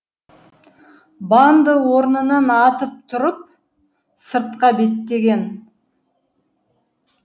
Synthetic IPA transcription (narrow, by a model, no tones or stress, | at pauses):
bɑnd̪əwo̞ɾnənɑnɑt̪əp̚t̪ʰʊɾəp̚ | səɾt̪̚qɑbe̞t̪ːe̞ɡʲe̞n